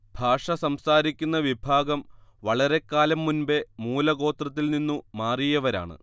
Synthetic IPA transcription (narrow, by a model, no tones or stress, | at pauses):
bʱaːʂɐsɐmsaːɾikʲːunːɐʋibʱaːɡɐmʋɐɭɐɾe̞kːaːlɐmːunbe̞muːlɐɣo̞ːt̪rɐt̪̬ːilninːumaːrijɐʋɐɾa̰ːɳɨ̰